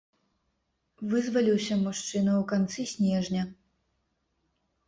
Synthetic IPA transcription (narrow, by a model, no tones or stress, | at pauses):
vɨzvɐlʲiwsʲɐmuʂt͡ʂɨnɐwkant̪sɨsʲnʲɛʐnʲɐ